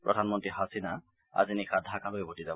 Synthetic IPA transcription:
pɹɔdʱanmɔntɹiɦasina | a̰zinikʰad̪ʱakaloebʱotiza

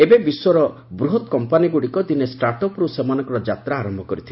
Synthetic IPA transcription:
ebebiswɔɾɔ | bɾuɦɔt̪kɔmpaniɡuɽikɔd̪inesʈaɾʈɔpɔɾusemanɔ̃ŋkɔɾɔd͡ʒat̪ɾaːɾɔmbʱɔkɔɾit̪ʰil

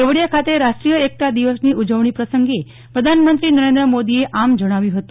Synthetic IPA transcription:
eʋɽjakʰat̪eɾaʂʈɾijəek̚ʈad̪iʋəsniːud͡ʒəʋɳ̃iːpɾəsəŋɡe | pɾəd̪ʱanmənt̪ɾiːnəɾend̪ɾəmod̪ieʔamd͡ʒəɽ̃aʋjũɦət̪u

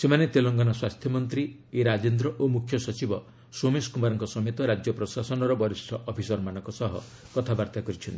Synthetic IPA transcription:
semanet̪elɔŋɡɔnɔswast̪ʰjɔmɔnt̪ɾieɾad͡ʒend̪ɾɔʔomukʰːjɔsɔt͡ʃibɔ | someskumaɾɔŋkɔsɔmet̪ɔɾad͡ʒjɔpɾɔsasɔnɔɾɔbɔɾistʰɔʔɔpʰisɔɾmanɔ̃ŋkɔsɔɦɔ̰ | kɔt̪ʰabaɾt̪ʰakɔɾit͡ʃʰɔnt̪i̥

